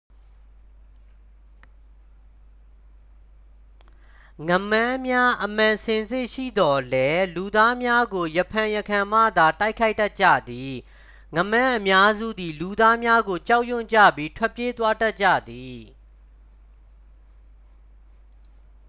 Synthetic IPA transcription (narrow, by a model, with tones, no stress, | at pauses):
ŋə˨mã˦mja˦ʔəm̥ã˨sʰɪ̃˨nzɪ˦ʔʃḭ˦˨d̪ɔ˨lɛ˦lu˨d̪a˦mja˦ɡo˨jə˨pʰã˨jə˨kʰã˨ma̰˦˨d̪a˨ta˦ɪkʰa˦ɪta˦ʔ̚t͡ɕä̰˦˨d̪i˨ | ŋə˨mã˦ʔəmja˦zṵ˦˨d̪i˨lu˨d̪a˦mja˦ɡo˨t͡ɕa˦ʊʔjʊ̃˦˨ɲt͡ɕä̰˦˨pji˦tʰwɛ˦ʔpːje˦t̪wa˦ta˦t̚t͡ɕä̰˦˨d̪i˨